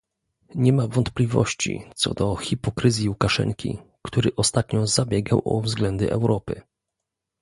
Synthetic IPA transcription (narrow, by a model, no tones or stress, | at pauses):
ɲɛmavɔnt̪plʲivɔ̰ɕt͡ɕḭt̪sɔ̰d̪ɔxʲipɔkɾɘzʲjiukaʂɛ̰ŋkʲḭkt̪uɾɘʔɔst̪at̪ɲɔzabʲjɛɡawʔɔ̰vzɡlɛnd̪ɘ̰ʔɛwɾɔpɘ̰